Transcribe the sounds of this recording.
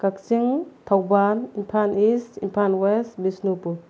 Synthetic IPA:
kak̚siŋt̪ʰawbanimpʰanisimpʰanwesbisnupu

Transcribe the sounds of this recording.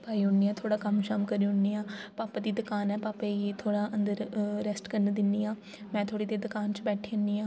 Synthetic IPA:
paːiːʊɳːiːaːt̪ʰoːɽaːkəmʃəmkəɾiːʊɳːiːãːpaːpad̪iːd̪ʊkaːnɛːpaːpeit̪ʰoːɽaːʔənd̪əɾɾɛsʈkəɾned̪ɪnːiːãː | mɛ̃ːt̪ʰoːɽiːd̪eːd̪ʊkaːnt͡ʃbɛːʈʰiːʊnːiːãː

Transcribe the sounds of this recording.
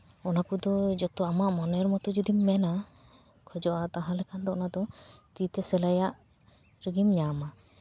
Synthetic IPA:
ɔnakud̪ɔd͡ʒɔt̪ɔamaʔmɔnɛɾmɔt̪ɔd͡ʒud̪imːɛna | kʰɔd͡ʒɔʔat̪aɦãlɛkʰand̪ɔɔnad̪ɔt̪it̪ɛsɛlajaʔ | ɾiɡimɲama

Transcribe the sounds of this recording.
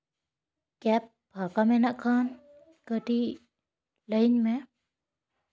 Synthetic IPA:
kɛp̚ | bʱakamɛnaʔkʰan | kəʈi | ləjnmɛ

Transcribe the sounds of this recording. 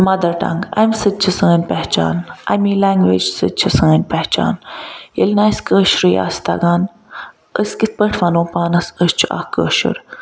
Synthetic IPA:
mɐd̪ɐɾʈɐ̰ŋɡɐ̰msɨd̪̚t͡ʃʰisə̃ːnʲpɛɦt͡ʃa̰ːnɐ̰miːlaːŋɡʋḛːd͡ʒsɨt͡ʃʰisə̃ːnʲpɛht͡ʃa̰ːnjəlnaːskəːʃɾija̰ːst̪a̰ɡaːn | əsʲkit̪̚ʰpəɳʈʰʋɐnõːpaːnɐsəst͡ʃʰua̰hkə̰ːʃɨ̰ɾ

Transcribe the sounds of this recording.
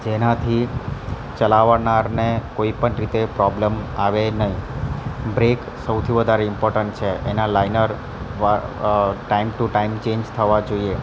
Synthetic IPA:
d͡ʒenat̪ʰi | t͡ʃəlaʋanaɾnekoipəɳɾit̪epɾɔblemaʋenəɦĩ | bɾek | səwt̪ʰiʋəd̪ʱaɾeɪmpɔɾʈəɳʈ̚t͡ʃʰeʔenalainəɾ | ʋa | ʈaimʈuʈaimt͡ʃẽɲd͡ʒt̪ʰəʋad͡ʒoie

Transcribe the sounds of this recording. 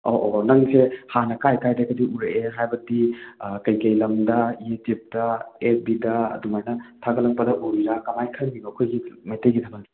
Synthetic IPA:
oʔonɐŋsʰehanɐkajkajdɐɡɐdiʔuɾeeɦajbɐdikɐjkɐjlɐmdɐied͡ʒip̚dɐebidɐɐ̰dumajnɐtʰaɡɐlɐŋpɐdɐʔuɾiɾakamajkʰɐŋmiɡokʰojɡimajteɡitʰɐmɐndi

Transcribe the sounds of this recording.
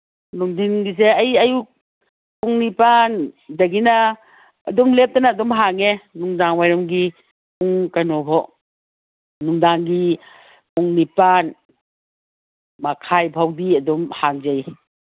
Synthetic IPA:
nuŋdinɡis̬eɐjɐju | uŋnipandɐɡina̰ː | dɔmlep̚tanaːdɔmɦaŋenuŋdaŋwajɾɔmɡi | uŋkanɔbʰʱɔ | nuŋdaŋɡi | puŋnipan | makʰajbʰʱawdiɐdɔmhaŋzaj

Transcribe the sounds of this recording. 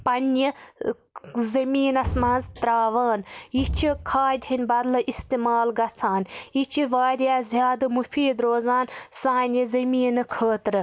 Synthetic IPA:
pɐnji | zɐmiːnɐsmɐnzt̪ɾaːʋaːnjit͡ʃʰikʰaːd̪ʲhinʲbɐd̪lɐʔist̪imaːlɡɐt͡sʰaːnit͡ʃʰiʋaːɾʲjaːzʲjaːd̪ɨmufʰiːd̪ɾoːzaːnsaːnʲizɐmiːnɨkʰəːt̪ɾɨ

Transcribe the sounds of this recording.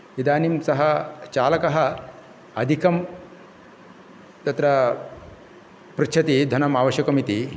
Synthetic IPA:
id̪aːnimsɐɦɐt͡ʃaːlɐkɐɦɐ | ɐd̪ʱikɐm | t̪ɐt̪ɾɐ | pɾit͡ʃʰɐt̪id̪ʱɐnɐmaːʋɐɕjɐkɐmit̪i

